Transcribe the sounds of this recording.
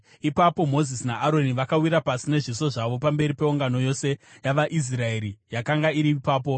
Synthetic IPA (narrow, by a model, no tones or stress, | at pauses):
ipapo̞mo̞zisnaʔaɾo̞niʋakawiɾapasine̞ʐiso̞ʐaʋo̞pambe̞ɾipe̞uŋɡano̞jo̞se̞jaʋaʔis̬rae̞ɾijakaŋɡaiɾipaːp̬o̞